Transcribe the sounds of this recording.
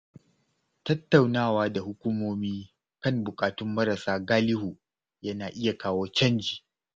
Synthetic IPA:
tɐ˦tːa˨wnaː˦˨waː˦da˨hʊ˦kʷu˦moː˦miː˦ | kɐ˦nbʊ˨kʼaː˨tʊ˦mːɐ˦ɾɐ˨saː˦ɡaː˦lɪ˦huː˨ | jɐ˦naː˨ʔɪ˦ja˨kaː˦woː˦t͡ʃɐ˦nd͡ʒiː˨

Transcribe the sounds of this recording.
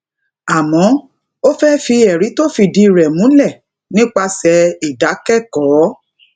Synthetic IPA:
a˨mɔ̃˨˦ | o˦fɛ˦fi˧ɛ˨ɾi˨˦to˦fi˧di˦˨ɾɛ˨mũ˨˦lɛ˦˨ | nĩ˦k͡pa˧sɛ˧i˨da˨˦kɛ˦˨kɔ˨˦

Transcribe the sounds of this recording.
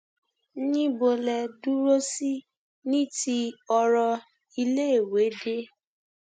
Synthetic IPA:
nĩ˦bo˧lɛ˧du˦ɾo˦si˦ | nĩ˦ti˧ɔ˧ɾɔ˧ | i˧le˦e˦˨we˨˦de˦

